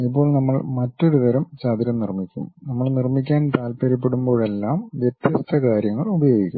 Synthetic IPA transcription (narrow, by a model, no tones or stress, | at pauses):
ip̬ːo̞ːɭnɐmːɐɭmɐtːo̞ɾut̪ɐɾɐmt͡ɕaːd̪iɾɐmnirmikʲːṵmnɐmːɐɭnirmik̬ʲːaːnt̪aːlpɐɾip̬ːe̞ɽumbo̞ːɻe̞lːaːmʋjet̪jɐst̪ʰɐkaːɾjɐŋːɐɭubɐjo̞ːɡikʲːum